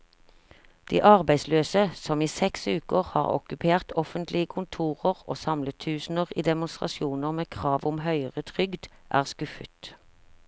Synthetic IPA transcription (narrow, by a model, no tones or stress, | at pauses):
d̪̥ḭːʔɑʁbæɪsløːsəsɔmiːsɛksʉːkəʁhɑ̰ːʁɔ̰kʉpʰeːʁt̪ʰɔfənt̪lɪəkʰʊnt̪ʰuːʁəʁo̰ːsɑmlət̪ʰʉːsn̩əʁiːd̪ɛmʊnst̪ʁɑ̰sɪuːnəʁmeːkʰʁɑːʋʊmhœʏəʁət̪ʰʁʏɡd̪ʔæ̰ːʁskʉfə̰t̪